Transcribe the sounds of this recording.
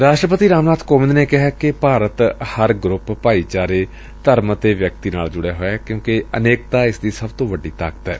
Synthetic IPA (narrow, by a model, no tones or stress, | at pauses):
ɾaːʃʈɾəpət̪iːɾaːmnaːt̪ʰkoːʋɪ̃nd̪neːkɪɦaːkɪpaːɾət̪həɾɡɾʊppaːiːt͡ʃaːɾeː | t̪əɾmt̪eːʋjək̚t̪iːna̰ːld͡ʒʊɽjeːɦoːɛːkjõːkeə̰neːk̚t̪aːɪsd̪iːsəbt̪õːʋəɖiːt̪a̰ːkə̥t̪ɛː